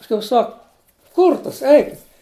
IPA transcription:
pɐsˈkʊɪ ˈsɐk ˈkʊrtɐs ˈɛɪkʲɪtʲ

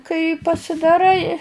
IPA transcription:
kɐɪ pɐsʲɪdɐˈrɐɪ

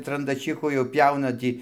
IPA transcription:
trɐndɐˈt͡ʃʲiːxʊ jɛʊ ˈpʲjɛʊnɐ ˈtʲiː

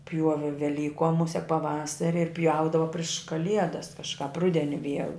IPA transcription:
ˈpʲjuɔʋʲɪ ʋʲɛˈlʲiːkoːm ˈmʊsʲɛk pɐˈʋɑːsɐrʲɪ ɪr ˈpʲjɛʊdɐʋɐ pʲrʲɪʃ kɐˈlʲiɛdɐs kɐʃˈkɑːp ˈrʊdʲɛnʲɪ ˈʋʲiɛlˠ

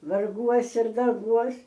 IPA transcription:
ʋɐrˈɡuɔs ɪr dɐrˈbuɔs

